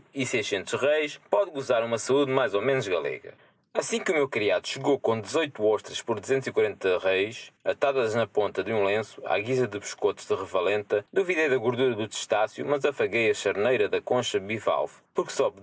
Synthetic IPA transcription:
isɐjʃẽnt̪uʒʃʁejʃpɔðɣuzaɾumɐsɐuðmajzomenuʒɣɐlˠɛ̰ɣɐ̰ | ɐsĩkumewkɾiaðuʃɨɣokõd̪ɨzojt̪uɔʃt̪ɾɐʃpɔɾd̪uzẽnt̪zikwɐɾẽnt̪ɐʁejʃɐt̪aðɐʒnɐpõnt̪ɐðũlˠẽsu̥a̰ɣizɐðɨβɨʃkot̪ʒ̥ðɨʁɨvɐlˠẽnt̪ɐd̪uviðejðɐɣuɾðuɾɐðut̪ɨ̥ʃt̪asjṵmɐzɐfɐɣejɐʃɐɾnejɾɐðɐkõʃɐβiva̰lˠf | puɾksɔβ

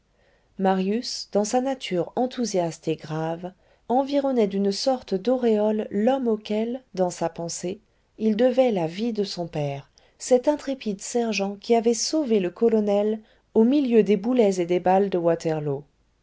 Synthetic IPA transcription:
maʁjysd̪̥ɑ̃sanat̪ʰyʁɑ̃t̪ʰuzjast̪eɡʁav | ɑ̃viʁɔnɛd̪ynsɔʁt̪əd̪ɔʁeɔlːɔmokʲɛld̪ɑ̃sapɑ̃se | ild̪əvɛlavid̪əsɔ̃pɛʁ | sɛt̪ɛ̃t̪χepid̪sɛʁʒɑ̃kʲiavɛsoveləkɔlɔnɛl | omiljød̪ebulɛzed̪ebald̪əwat̪ʰɛʁlo

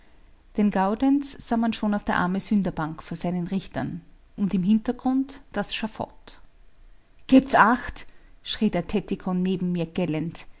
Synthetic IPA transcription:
d̥enɡaʊdɛnsz̥aːmanʃoːnaʊfd̥eːɐʔa̰ɐməzʏndɐbaŋkfoːɐz̥aɪnənʁɪçtɐ̰n | ʔʊntɪmɦɪntɐɡ̥ʁʊntd̥asʃafɔ̰t | ɡ̥ɛːptsʔaxtʃʁ̥iːdeːɐtʰɛtɪkʰɔnːeːbm̩miːɐɡ̥ɛlənt

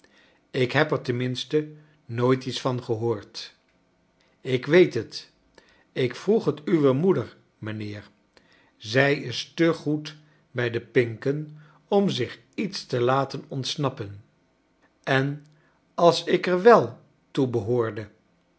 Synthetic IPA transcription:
ɪkɦɛpɛɹtənmɪnstə | noːjtitsfɑnχəɦoːɹt | ɪkʋejtɦət | ɪkfruχɦətyʋəmudəɹ | mənɪːɹ | zɛjɪstəχut | bɛjdəpɪŋkən | ɔmzɪχ | itstəlaːtənɔntsnɑpən | ɛn | ɑlˠsɪkəɹʋɛlˠ | tubəɦʊːɹdə

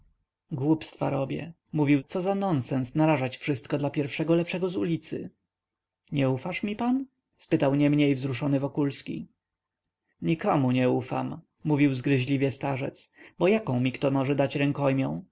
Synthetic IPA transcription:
ɡwupst̪fa̰ɾɔbʲjɛ̰ | muvʲiwt̪sɔzanɔnsɛnsnaɾaʐat͡ɕfʂɘst̪̚kɔd̪lapʲjɛɾfʂɛɡɔlɛpʂɛɡɔzulʲit̪sɘ̰ | ɲɛufaʂmʲipan | spɘt̪awɲɛmɲejvzɾuʂɔnɘvɔkulskʲḭ | ɲikɔmuɲɛufa̰mː | uvʲiwzɡɾɘʑlʲivʲjɛst̪aʐɛt̪sbɔjakɔ̃w̃mʲikt̪ɔmɔʐɛd̪at͡ɕɾɛŋkɔjmʲjɔ̃w̃

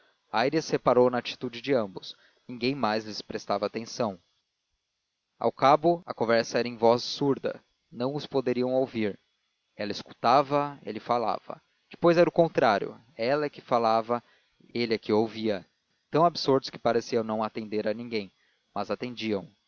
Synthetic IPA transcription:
ajɾishepaɾownɐat͡ʃi̥t̪ud͡ʒɪd͡ʒɪɐ̃mbʊs | nĩŋɡẽj̃majzlɪspɾest̪avɐaːt̪ẽsɐ̃w̃ | a̰wkabʊɐ̰kõvɛɾsɐɛɾɐẽj̃vɔzsuɾd̪ɐ̰ | nɐ̃w̃ʊspod̪eɾiɐ̃w̃owviɾ | ɛlɐisku̥t̪avɐḛlɪfala̰vɐ̰ | d͡ʒɪ̥pojzɛɾʊkõnt̪ɾaɾjʊ̰ | ɛlɐkɪfalavɐ | elɪakiowviɐ | t̪ɐ̃w̃absuɾd̪ʊ̥skɪ̥paɾesiɐ̃w̃nɐ̃w̃at̪ẽnd̪eɾɐnĩŋɡẽj̃ | mɐzat̪ẽnd͡ʒiɐ̃w̃

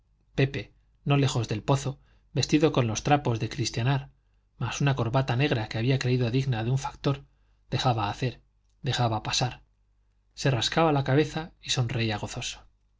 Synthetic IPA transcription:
pe̞pe̞ | no̞le̞xo̞zðe̞lpo̞θo̞ | be̞st̪iðo̞ko̞nlo̞st̪ɾapo̞zðe̞kɾist̪janaɾ | masunako̞ɾβat̪ane̞ɣɾake̞aβiakɾe̞iðo̞ðiɣnaðeuɱfḁkt̪o̞ɾ | ð̥e̞xaβaːθe̞ɾ | d̪e̞xaβapasaɾ | se̞raskaβalakaβe̞θaiso̞nre̞iaɣ̞o̞θo̞so̥

